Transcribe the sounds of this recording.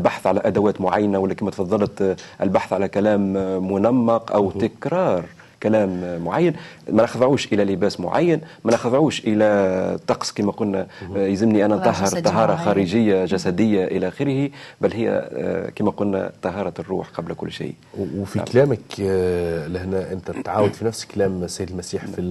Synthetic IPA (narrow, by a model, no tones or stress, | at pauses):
ʔɪlbaħθʕalæʔæd̪æwæːt̪mʊʕajːnawælːækiːmæt̪fɑðˤːɑlt̪ʔɪlbaħθʕalækælæːmːʊnamːɑqʔæ̰wt̪ɪkɾɑːɾˤ | kælæːmːʊʕajːənmænaxðˤʕuːʃʔɪlælɪbæːsmʊ̰ʕa̰jːənmænɑxɑðˤʕuːʃʔɪlæt̪ˤɑqsˤkiːmæqʊlnæjzɪmniʔænːænt̪ˤɑɦːɑɾˤt̪ːˤɑɦɑːɾˤɑxɑːɾiʒɪjːaʒæsæd̪ɪjːaʔɪlæʔxɪɾhibælːhɪjːæ̰kiːmæqʊlnæ̰t̪ˤɑɦɑːɾˤɑrˤːṵːħqɑblkʊlːʃḭː | wfḭkalæːmək | lɪhnæʔɪnt̪æt̪ʕaːwad̪finæfsklæːmsæjd̪əlmæsiːħfi